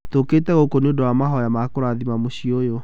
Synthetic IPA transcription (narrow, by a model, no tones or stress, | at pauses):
toketɛɣokoneodowamaɦɔjamakoɾaðimamoɕiojo